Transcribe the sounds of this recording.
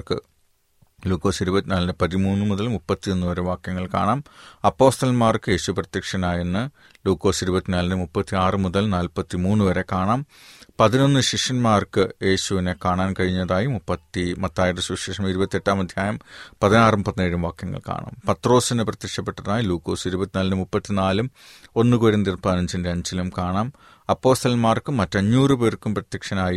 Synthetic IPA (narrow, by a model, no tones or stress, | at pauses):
kɨ̰ | luːkːo̞ːsiɾubɐt̪ːinaːlnɨpɐðimuːnːɨmuðɐlmupːɐt̪ːio̞nːɨʋɐɾeʋaːkjɐŋːɐɭka̰ːɳaːmɐpːo̞ːst̪ɐlmaːrkɨje̞ːɕuɐprɐt̪jɐkʂɐnaːjenːɨ | luːkːo̞ːsiɾubɐt̪ːinaːlnɨmupːɐt̪ːiaːrɨmuðɐlnaːlpɐt̪ːimuːnːɨʋɐɾe̞kaːɳaːm | pɐðino̞nːɨɕiʂɐnmaːrkɨje̞ːɕuʋinekaːɳaːnkɐɻiɲːɐðaːjimupːɐt̪ːimɐt̪ːaːjiɽɐsuʂiʂɐmiɾubɐt̪ːie̞ʈːaːmɐd̪ʱjaːjɐmpɐðinaːrumpɐðineːɻumʋaːkjɐŋːɐ̰ɭka̰ːɳa̰ːmpɐt̪ro̞ːsinɨprɐt̪jɐkʂɐpːe̞ʈːɐðaːjiluːkːo̞ːsiɾubɐt̪ːinɐːlnɨmupːɐt̪ːinaːlum | o̞nːɨkoːɾɐnd̪irpaːnɐɲd͡ʑindeɐɲd͡ʑilumkaːɳaːm | ɐpːo̞ːst̪ɐlmaːrkɨmːɐtːɐɲːuːrɨpe̞ːrkːumprɐt̪jɐkʂɐnaːji